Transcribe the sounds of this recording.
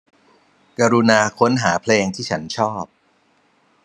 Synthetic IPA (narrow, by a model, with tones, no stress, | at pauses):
ka˧ɾu˧naː˧kʰo˦˥nɦaː˩˦pʰleː˧ŋt̪ʰiː˥˩t͡ɕʰa˦˥nt͡ɕʰɔː˥˩p̚